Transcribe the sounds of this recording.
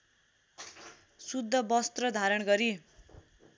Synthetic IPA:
sud̪ʱːʌbʌst̪rʌd̪ʱaɾʌɳɡʌɾi

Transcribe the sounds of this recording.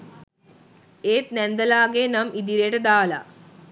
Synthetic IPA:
eːt̪nend̪ɐlaːɡeːnɐmid̪iɾeʈɐd̪aːla̰

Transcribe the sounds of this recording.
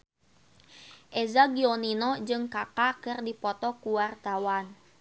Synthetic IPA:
ʔɛzaɡiɔninɔd͡ʒɨŋkakakɨrdipɔt̪ɔkuwart̪awan

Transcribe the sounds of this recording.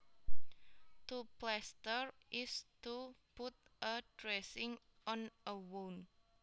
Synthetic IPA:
t̪uplɛst̪əɹʔɪst̪uput̪̚ʔəd̥ɾɛsɪŋʔɔnʔəwon

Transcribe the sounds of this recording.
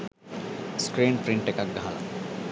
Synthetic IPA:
skɾeːnpɾiɳʈekak̚ɡaɦala̰

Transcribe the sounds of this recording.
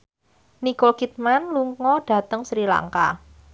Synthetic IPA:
nikolkit̪̚manluŋɔɖ̥ä̤t̪əŋsɾila̰ŋka̰

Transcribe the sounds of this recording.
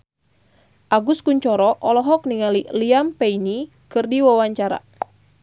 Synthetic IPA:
ʔaɡuskuɲt͡ʃɔɾɔʔɔlɔɦɔk̚niŋaliliampɛini | kɨrdiwawaɲt͡ʃaɾa̰

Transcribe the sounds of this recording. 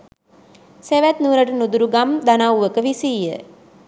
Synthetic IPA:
seʋæt̪nuːɾaʈənud̪uɾuɡamd̪anawʋəkəʋisiːjə̰

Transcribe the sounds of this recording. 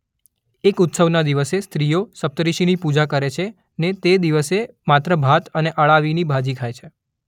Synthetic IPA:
ekʊt̪səʋnad̪iʋəsest̪ɾijosəp̚t̪əɾiʃinipud͡ʒakəɾet͡ʃʰe | net̪ed̪iʋəse | mat̪ɾəbʱat̪əneʔəɭaʋinibʱad͡ʒikʰajt͡ʃʰe

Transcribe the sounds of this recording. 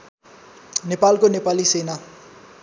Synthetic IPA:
nepalkonepalisena

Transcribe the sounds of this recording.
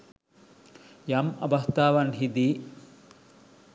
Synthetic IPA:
jɐmɐ̰bɐst̪aːʋɐnɦid̪i

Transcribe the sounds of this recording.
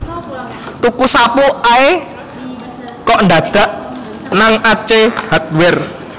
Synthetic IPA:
t̪ukusapuae | kɔʔndad̪̥a̤ʔ | naŋat͡ʃehat̪̚wɪr

